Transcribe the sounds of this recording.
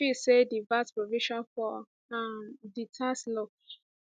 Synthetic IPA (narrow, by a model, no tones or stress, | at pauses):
fisedivatpɹoviʃɔ̃nfɔ | amditʰaslɔk